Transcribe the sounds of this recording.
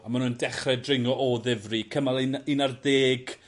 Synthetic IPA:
amanundɛχrɛdrɪŋɔʔɔðɪvrikʰəmalˠininarðeːɡ̥

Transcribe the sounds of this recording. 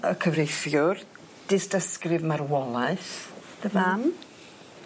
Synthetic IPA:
əkʰəvrejfjʊr | d̥ɪstəskrɪvmarwɔlˠaɨθ | ðəvam

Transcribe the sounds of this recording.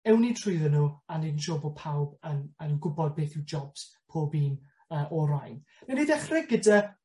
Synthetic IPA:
ɛwnitʰruɨðənuːanidənʃoːbɔpʰawbənaniwɡʊbɔd̚beːθɪwd͡ʒɔb̥s | pʰoːbiːn | əːʔɔɾajn | nanidɛχrɪɡɡəda

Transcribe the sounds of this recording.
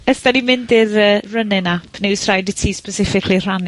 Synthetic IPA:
əsd̥animɪndɪrəːrənɨnapʰnɪwsrajdɪtʰiːspəsɪfɪkʰlir̥an

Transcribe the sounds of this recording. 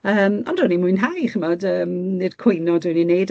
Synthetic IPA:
əːmɔndʊnimʊɨnɦajχəmɔdəːmnɨd̥kʰwʊjnɔdwɨninejd

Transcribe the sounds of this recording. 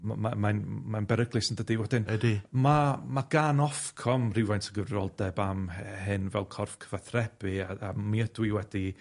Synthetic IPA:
mamamanmanbɛɾəɡlˠɨsəndədiwɛdɪnɛdimamaɡ̥anɔfkʰɔmrɪwvajntʰəɡəvrɾɔlˠdɛbamɦɨnvɛlˠkʰɔrfkʰəvaθrɛb̥ɨaamiədwiwɛdi

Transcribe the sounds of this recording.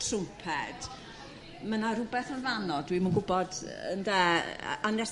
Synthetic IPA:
tʰrʊpʰɛd̥ | mənaɾʊbɛθənvanɔdwimunɡʊbɔdə̰ndɛ̰ːanas

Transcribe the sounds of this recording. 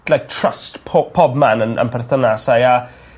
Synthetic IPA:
lajk̚tʰr̥əstʰɔpʰɔbmanənʔə̰npʰɛrθənasaja

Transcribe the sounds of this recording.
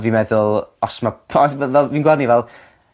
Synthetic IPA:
vimɛðʊlˠɔsmapʰɔsvəvɛlˠviːnɡwarnivɛlˠ

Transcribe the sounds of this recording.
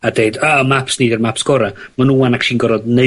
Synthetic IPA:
adejdamapsniːdɛrmapsɡ̥ɔɾamanuːanakʃiːnɡɔɾɔdne

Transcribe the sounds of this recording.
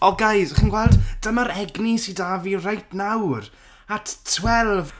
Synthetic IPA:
ɔɡajsχənɡwɛlˠdd̥əmaɾɛɡnisidavirajtnawr | atʰtʰwɛlˠv

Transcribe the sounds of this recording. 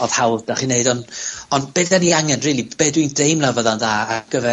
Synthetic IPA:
ɔð̥hawdaχineɨdɔnɔnb̥ɛðaniaŋɛnriːlˠib̥eːdwindejmlˠavɔðanðaːɡ̥əvɛ

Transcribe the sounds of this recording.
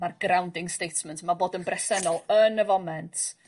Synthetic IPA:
marɡ̥rawndɪŋstejtʰmɛntʰmaboːdənbrɛsɛnɔlˠənəvɔmɛntʰ

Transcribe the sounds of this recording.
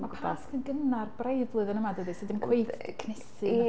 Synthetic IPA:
mapʰadaskənɡənarbrejvlˠʊɨðənəmadəðisidɪmkʰwejkʰnɛsɨ

